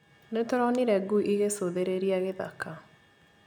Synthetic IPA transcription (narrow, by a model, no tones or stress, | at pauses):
netɔɾɔniɾɛɡuʔiɣesoðeɾeɾiaɣeða̰ka